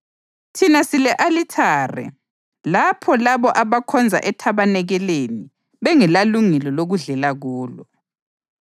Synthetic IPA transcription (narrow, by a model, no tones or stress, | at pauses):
tʰinasilɛʔalitʰaːrɛ̰ | lapʰɔlaβɔʔaβakʰɔnd͡zʱa̰ʔɛtʰaβanɛɣɛleni | βɛŋɛlaluŋɛlɔloɣuɮɛlaɣuːlɔ